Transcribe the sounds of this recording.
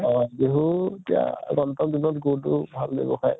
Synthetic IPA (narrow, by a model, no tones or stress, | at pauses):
ɔɡeɦuetija̰ɡɔntɔkdinɔtɡutʊbʱalbḛbɔ̰xaj